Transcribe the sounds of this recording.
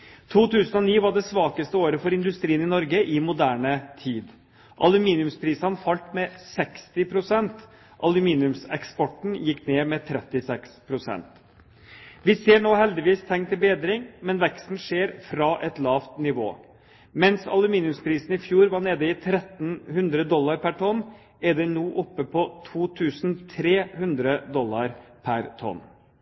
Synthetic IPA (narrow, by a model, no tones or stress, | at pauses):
t̪ʰuːt̪ʰʉːsənɔniːʋɑɖɛsʋɑːkəst̪əoːɾəfɔɾɪnd̪ʉst̪ɾiːənɪnɔɾɡəʔɪmʊd̪æːɳət̪ʰiːd̪ | ʔɑlʉmiːnɪʉmspʰɾiːsɑnfɑlt̪mɛsɛkst̪ɪpʰɾʊsɛnt̪ | ʔɑlʉmiːnɪʉmsɛ̰kspɔʈɳ̩jɪkːneːmɛt̪ʰɾɛt̪ːɪsɛkspʰɾʊsɛ̰nt̪ | ʋɪseːɳoːhɛld̪ɪʋiːst̪ʰɛŋːt̪ʰɪlbeːd̪ɾɪŋmɛnʋɛkst̪n̩ʂeːɾfɾɑːʔɛt̪lɑːʋt̪nɪʋo̰ː | mɛnsɑ̰lʉmiːnʉmspʰɾiːsn̩ɪfjuːɾʋɑɳeːd̪əɪt̪ʰɾɛt̪n̩hʉnd̪ɾəd̪ɔlːɑɾpʰæʈʰɔn | ɛɖ̪ɛnuːʔɔpːəpʰɔt̪ʰuːt̪ʰʉːsnt̪ʰɾeːhʉnd̪ɾəd̪ɔlːɑɾpʰæɾt̪ʰɔ̰nː